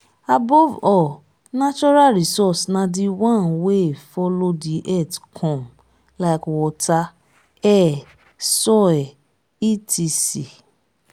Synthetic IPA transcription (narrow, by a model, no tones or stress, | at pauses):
abɔvɔ | nat͡ʃɔɾaɾisɔsnãdiwãnwefɔlodiʔɛtkʰɔ̃m | laɪkwɔta | ɛ | sɔɛ | itisi